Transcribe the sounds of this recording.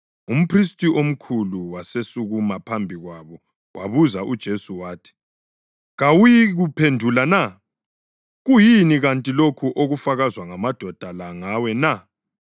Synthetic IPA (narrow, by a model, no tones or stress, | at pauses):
um̩pʰristʼiʔom̩kʰuluwasesuɣumapʰambʱiɣwaβɔ | wʔaβuzaʔud̥ʒ̥ʱesuwaːtʰi̥ | ɣawujiɣupʰendʱulana | ɣujiniɣantʼilokʰuʔoɣufaɣazwaŋamad̥ʱɔd̥ʱalaŋawɛna